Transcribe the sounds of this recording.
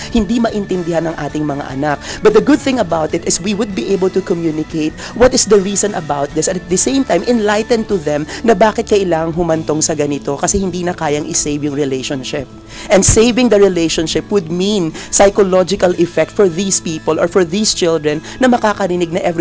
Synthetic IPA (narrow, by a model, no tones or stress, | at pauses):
hɪnd̪imɐʔɪnt̪ɛ̃nd̪ɪhanɐŋʔaːt̪ɪŋmɐŋa̰ʔɐ̰nak̚bɐt̪̚d̪ɐɡʊd̪̚θɪ̃ŋɐbawt̪ɪt̪ɪswiwʊd̪̚biʔejbəlt̪ʊkɔmjunɪkeɪt̪̚ | wɔt̪ɪsd̪ɐɹiːsɔ̃nɐbawt̪̚ðɪsɛ̃nɐt̪d̪ɐsẽɪ̃mt̪ãjmʔɪ̃nlajt̪ɛ̃n̚t̪ʊðɛ̃mnɐbaːkɪt̪kɐʔɪlaːŋɐŋɦʊmɐnt̪oŋsɐɡɐnɪt̪o̞kɐsɛhɪnd̪iːnɐkaːjɐŋʔɪsejvjʊŋɹɪlejʃõnʃɪp̚ | ʔɛ̃nd̪sejvɪ̃ŋd̪ɐɹɪlejʃõnʃɪpwʊd̪̚minsajkolod͡ʒɪkɐlʔɪfɛk̚t̪fɔɹðiːspiːpolʔɔ̰ɹfɔɹðiːst͡ʃɪld̪ɹɛn | nɐmɐkaːkɐɾɪnɪɡ̚nɐʔɛv